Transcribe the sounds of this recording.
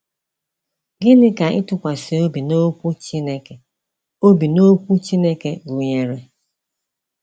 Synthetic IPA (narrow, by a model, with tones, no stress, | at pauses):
ɡɪ˦nɪ˦ka˨ʔɪ˦tʊ˨kʷa˨se˨o˦bi˨no˦kʷu˦t͡ʃi˦ne˦ke˨ | o˦bi˨no˦kʷu˦t͡ʃi˦ne˦ke˨ɡu˨ɲe˨ɾe˨